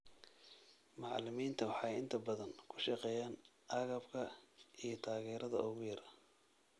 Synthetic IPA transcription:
mɑʕlɪmiːnt̪ʰɐwɑħɑjɪnt̪ʰɐbɐðɐŋkʰʊ̥ʃɑqɛːjaːn | ɑɣɐbkʰɐijɞt̪ʰaːɣɛːɾɐðɐ̰ɔɣʊjɐɾɐ

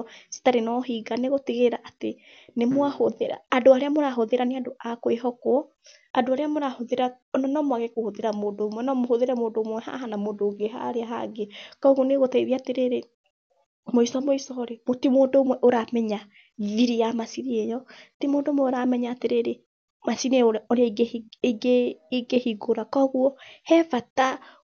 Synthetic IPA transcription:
si̥taɾenɔɦiːɡaneɣotiɣeɾaʔate | nemwahoðeɾa̰ːdoaɾeamoɾaɦoðeɾaneadoʔakoeɦɔkoɔ | adoaɾeamoɾahoðeɾa | nɔnɔmwaɣekohoðeɾamoːndoːmwɛnɔmoɦoðeɾɛmoːndoːmwɛha̰ɦanamoːndoːɡeɦa̰ɾeaɦa̰ɡekɔɣwɔneɣotaiðiateɾeɾe | moisɔmoisɔɾemotimoːndoomwɛʔoɾamɛɲa | ðiɾijamasiɾiejɔtimoːndoːmwɛoɾamɛɲaːteɾeɾe | masineoɾoɾeaiɡeeɡeːɡehiɡoɾakɔɣuɔhɛfata

